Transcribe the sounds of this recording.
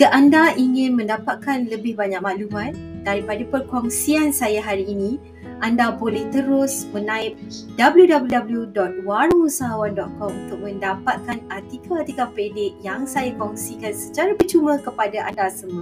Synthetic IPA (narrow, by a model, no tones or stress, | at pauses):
kəʔandaiŋɪ̃nmə̃ndapat̪̚kanləbɪhbaɲak̚maʔlumãn̚daɾipadapərkɔŋsiansajaɦaɾiːnĩ | ʔandabolɛht̪əɾʊsmənãɪp̚dabəljudabəljudabəljudɔt̪̚waɾuusaɦawandɔt̪̚kɔmunt̪ʊk̚mə̃ndapat̪̚kanat̪ikaat̪ikapɾedɪʔ̚jaŋsajakɔŋsikansə̥t͡ʃaɾabət͡ʃumə̃kəpadaʔandasəma